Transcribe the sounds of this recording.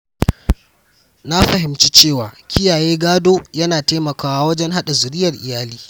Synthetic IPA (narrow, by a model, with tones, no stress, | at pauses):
na˦ɸɐ˨ɦɪ˨mt͡ʃi˦t͡ʃeː˦˨waː˨kʲɪ˦jaː˨jeː˦ɡaː˦doː˦jɐ˦naː˨teː˦mɐ˨kaː˦waː˦wɐ˦d͡ʒɛ˦ŋɦa˦ɗa˨zʊ˨ɾɪ˦jɐ˨rʔɪ̰˨jaː˦liː˦